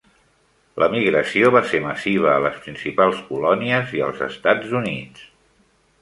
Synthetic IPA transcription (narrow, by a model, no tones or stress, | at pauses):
lʔəmiɣɾəsioβaseməsiβ̞əːləspɾinsipalˠskulɔniəziə̰lˠzə̰st̪ad͡zunis